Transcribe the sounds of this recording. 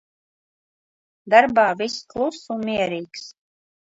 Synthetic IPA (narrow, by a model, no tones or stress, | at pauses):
d̪aɾbaːvisklˠusunmiɛɾiːks